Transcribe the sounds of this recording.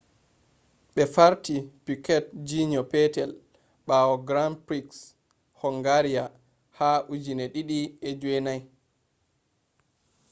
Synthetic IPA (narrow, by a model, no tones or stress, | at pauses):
ɓɛfaɾtipikɛt̚d͡ʒiɲɔpɛtɛl | ɓawɔɡɾampɾiks | hɔŋɡaɾija | haʔud͡ʒinɛɗiɗiɛd͡ʒwɛnaj